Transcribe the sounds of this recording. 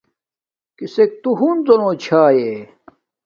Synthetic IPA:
kisek̚t̪uɦunzonot͡ɕʰaːje

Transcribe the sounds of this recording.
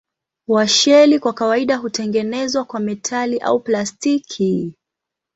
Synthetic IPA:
waʃɛlikwakawaiɗaɦutɛŋɡɛnɛzwakwamɛtʰaliʔa̰uplastikʰi

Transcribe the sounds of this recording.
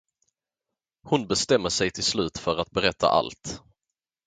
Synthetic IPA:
hʊnbɛst̪ɛmːəʂɛjt̪ʰɪlslʉ̟ːt̪fœɾat̪̚bɛɾɛt̪ʰːa̰ʔa̰lt̪

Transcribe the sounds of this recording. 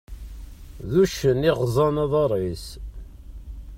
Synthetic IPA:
ðuʃəniʁzˤɑnɑðˤɑɾˤis

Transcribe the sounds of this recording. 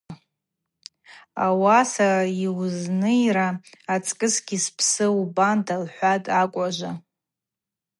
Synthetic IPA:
awasaraiwznɨiɾaːt͡sʼkʼɨsɡʲispʰsɨubandalħʷatʼakʷʼaʒʷa

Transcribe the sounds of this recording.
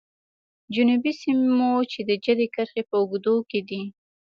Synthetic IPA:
d͡ʒʊnubisimot͡ʃed̪əd͡ʒəd̪ekəɾxepəʊɡd̪oked̪i

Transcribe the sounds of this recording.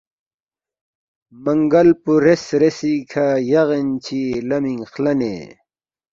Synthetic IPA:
mɐŋɡɐlpuɾesɾesikʰajaʁent͡ɕʰilɐmiŋxlɐnḛ

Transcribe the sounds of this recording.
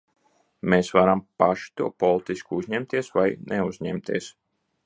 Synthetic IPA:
meːsvaɾampaʃi̥t̪uɔpɔlˠit̪iskuuzʲɲɛmt̪iɛsvajnʔɛuzʲɲɛmt̪iɛs

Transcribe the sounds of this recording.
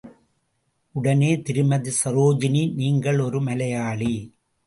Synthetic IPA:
ʊɽɐneːt̪ɪɾɯmɐðɯsɐɾoːd͡ʒɪniniːŋɡɐɭɔɾɯmɐlɐjaːɭi

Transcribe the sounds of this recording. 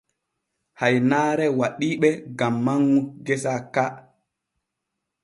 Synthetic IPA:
hajnaːɾɛwaɗiːɓɛɡamːaŋːuɡɛsaka

